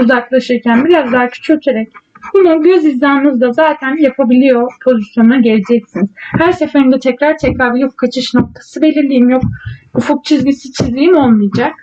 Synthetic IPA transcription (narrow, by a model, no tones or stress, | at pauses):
uzaklˠaʃɯɾcʰænbilʲazlˠaːcʰy̥t͡ʃʰøt̪ʰeɾɛc | bununɟø̞zizːanɯmɯzd̪azaːt̪ʰænjapʰabilʲijo̞pʰo̞zisjo̞nnaɟelʲid͡ʒɛc̚siniz̥hæɾsefeɾimd̪ɛt̪ʰɛcɾaɾt̪ʰɛcɾaɾbijuk̚kʰat͡ʃʰɯʃno̞k̚t̪ʰḁsɯbe̞lʲiɾlʲijimjo̞k̚ufuk̚t͡ʃʰizɟisit͡ʃʰizlʲijimo̞lˠmɯjad͡ʒak̚